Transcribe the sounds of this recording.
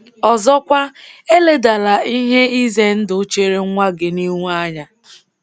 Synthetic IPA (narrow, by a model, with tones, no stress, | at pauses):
ɔ˨zɔ˦kʷa˦e˦le˦da˨la˨i˦ɦe˦i˦ze˦n̩˦dʊ˨˦t͡ʃe˦ɾe˦ŋʷa˦ɡɪ˨ni˦ŋʷ˦a˦ɲa˨